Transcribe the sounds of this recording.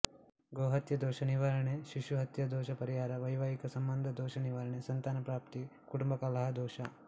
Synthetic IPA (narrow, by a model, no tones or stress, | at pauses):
ɡoːɦɐt̪jɐd̪ɔːʃɐniʋaːɾɐɳeʃiʃuɦɐt̪jɐd̪ɔːʃɐpɐɾijaːɾɐʋɐjʋaːikɐsɐmbɐnd̪ʱɐd̪ɔːʃɐniʋaɾɐɳesɐnt̪aːnɐpɾaːpt̪ikuʈumbɐkɐlɐɦɐd̪ɔːʃɐ